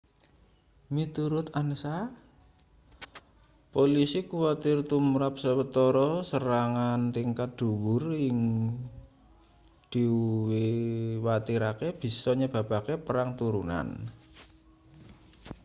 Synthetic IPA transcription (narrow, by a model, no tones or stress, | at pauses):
mit̪uɾʊt̪anəsa | polisikuwat̪ɪrt̪umɾap̚səwət̪ɔɾɔsəɾaŋant̪iŋkat̪̚d̪̥ṳwʊrɪŋ | d̪̥i̤uwiwat̪iɾakeb̥i̤sɔɲəb̥a̤b̥akepəɾaŋt̪uɾuna̰n